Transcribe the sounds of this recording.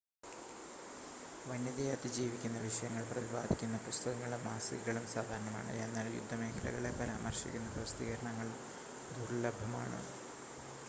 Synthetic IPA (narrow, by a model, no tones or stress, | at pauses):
ʋɐnjɐðijat̪ːiɐd͡ʑiːʋikʲːunːɐʋiʂɐjɐŋːɐɭprɐðiba̰ːd̪ʱikʲːunːɐprɐst̪ʰɐɣɐŋːɐɭumːaːsḭɣɨɣɐɭumsaːd̪ʱaːɾɐɳɐma̰ːɳɨ̰e̞nːaːljṵd̪ʱːɐme̞ːkʰɐlɐ̰ɣɐɭe̞pɐɾa̰ːmɐrɕikʲːunːɐprɐst̪iːɣɐɾɐɳɐŋːɐɭum | d̪ʱurlɐbʱːɐma̰ːɳɨ̰